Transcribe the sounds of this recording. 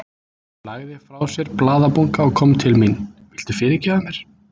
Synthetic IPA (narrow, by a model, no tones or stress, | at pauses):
laɣðɪfɾawsjɛɾplaːðapuŋkaɔkʰɔmt̪ʰɪlminːvɪl̥t̪ʏfɪːɾɪcɛːðamjɛɾ̥